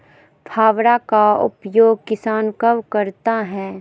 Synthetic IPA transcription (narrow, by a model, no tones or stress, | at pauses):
pʰaːʋɽakaʊ̰pjoːɡ̚kɪsaːnkɐʋkɐɾt̪aɦɛː